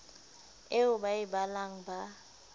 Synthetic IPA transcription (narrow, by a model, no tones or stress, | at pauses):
eʊbajibalaŋ̩ba